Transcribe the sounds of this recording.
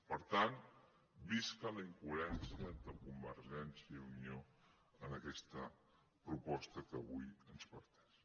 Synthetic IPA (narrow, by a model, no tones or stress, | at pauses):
pəɾt̪an | biskələiŋkuəɾɛnsiəənt̪ɾəkumbəɾʒɛnsjəiunio | ənəkɛst̪ə | pɾupɔst̪əkəβujənspəɾt̪ɛ̥ʃ